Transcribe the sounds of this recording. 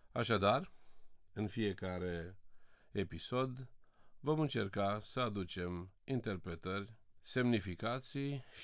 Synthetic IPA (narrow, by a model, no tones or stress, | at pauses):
aʃad̪ar | ɨnfije̞kaɾe̞ | episo̞d̪vo̞mɨnt͡ʃe̞rkasəad̪ut͡ʃe̞mint̪e̞rpɾe̞t̪ərʲse̞mnifikat̪sij